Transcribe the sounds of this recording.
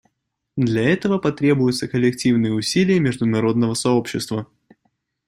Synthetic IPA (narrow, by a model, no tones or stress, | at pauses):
d̪lʲɐɛt̪əvəpɐt̪ɾʲe̞bʊjʊt̪səkəlʲɪk̚tʲivnɨjəʊsʲilʲɪjəmʲɪʐd̪ʊnɐɾo̞d̪nəvəsɐo̞pɕːɪst̪və